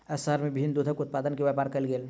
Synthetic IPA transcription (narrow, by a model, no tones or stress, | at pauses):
ɐsəɦəɾmẽbɪbʱɪnd̪uːd̪ʱəkʊt̪̚paːd̪ənkeʋjaːpaːɾkɐlɡeːl